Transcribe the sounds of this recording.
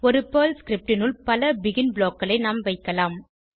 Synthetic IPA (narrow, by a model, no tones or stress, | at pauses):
ɔɾɯpoːlskɪɾɪp̚ʈɪnɯlpɐlɐbɪɣɪnbloːkːɐɭɐɪnaːmʋɐɪkːɐlaːm